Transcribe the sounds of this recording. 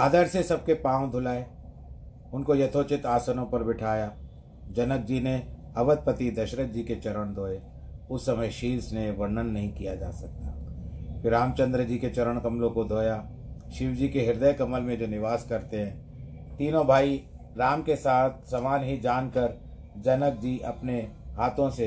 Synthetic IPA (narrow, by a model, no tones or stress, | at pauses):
aːd̪əɾsesɐb̚kepãːw̃d̪ʱʊlaːe | ʊnkojɐt̪ʰot͡ʃɪt̪aːsənõpɐɾbɪʈʰaːjaː | d͡ʒɐnək̚d͡ʒine | ɐʋəd̪̚pət̪id̪ɐʃɾəd͡ʒiket͡ʃɐɾəɽ̃d̪ʱoːe | ʊsːɐməjʃiːlsneʋɐɾnənːɐɦĩkijad͡ʒa̰ːsɐk̚t̪aːpʰɪɾaːmt͡ʃə̃nd̪ɾəd͡ʒiːket͡ʃɐɾəɽ̃kɐmlõkod̪ʱoːjaː | ʃɪwd͡ʒikeɦɪɾd̪əjkɐməlmẽd͡ʒoːnɪʋaːskɐɾt̪eɦɛ̃ː | t̪iːnõbʱaːi | ɾaːmkesaːt̪̚ʰsɐmaːnɦid͡ʒaːnkəɾ | d͡ʒɐnək̚d͡ʒiʔɐpneɦaːt̪ʰõse